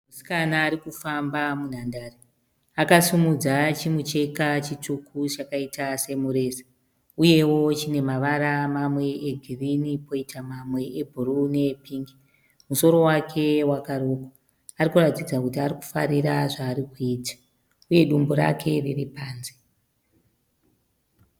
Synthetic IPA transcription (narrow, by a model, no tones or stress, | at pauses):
musi̥kanaːɾikufambamun̤andaːri | akasimud͡zat͡ʃimut͡ʃe̞kat͡ʃitʰukʰut͡ʃakaitʰase̞muɾe̞ːsḁ | uje̞wo̞t͡ʃine̞maʋaɾamamwe̞ʔeɡʱirinipo̞itʰamamwe̞ebʱurune̞piːŋɡi | muso̞ɾo̞wakʰe̞wakaɾoka | arikuratid͡zakutiaɾiku̥fa̰ɾiraʐaːɾikuiːtḁ | uje̞ɗumboɾa̰kʰe̞riripaːnze